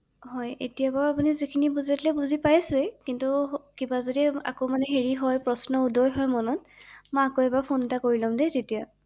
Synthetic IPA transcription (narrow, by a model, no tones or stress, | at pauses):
ɦɔjḛtijabɔɹapunizikʰinibuzatlɛbuzipajsʊɛkintukibazodia̰komanɛɦeɹiɦɔjpɹɔsnɔudɔjɦɔjmɔnɔt | mɔakoɛbapʰonɛtakoɹilɔmdɛtetija